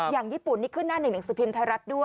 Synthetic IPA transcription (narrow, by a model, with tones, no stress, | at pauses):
jaː˨˩ŋjiː˥˩pu˨˩nːiː˦˥˩kʰɯ˥˩nːaː˥˩nɯ˨˩ŋna˩˦ŋsɯː˨˩˦pʰi˧mt̪ʰa˧ɾa˦˥t̪̚du˥˩ə